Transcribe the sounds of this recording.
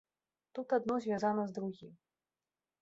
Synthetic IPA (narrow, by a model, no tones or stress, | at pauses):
t̪ut̪ad̪nɔzʲvʲazanɐzd̪ɾuɣʲim